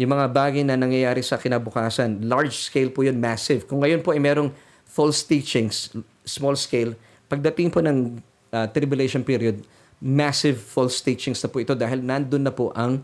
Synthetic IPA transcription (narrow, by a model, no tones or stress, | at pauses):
jʊŋmɐŋabaːɡɐjnɐnɐŋjɐjaːɾɪsɐkɪnabʊkaːsɐnlaɹd͡ʒskejlpujonmasɪvkʊŋːɐjo̞npoʔɐjmɛːɾo̞ŋ | folst̪iːt͡ʃɪŋs | smolskejl | pɐɡ̚d̪ɐt̪ɪŋponɐŋ | ʔɐt̪ɾɪbjʊlejʃonpiːɾjod̪̚ | masɪvfolst̪iːt͡ʃɪŋsnɐpʊʔɪt̪o̞d̪aːɦɪlnɐnd̪onːɐpoʔɐŋ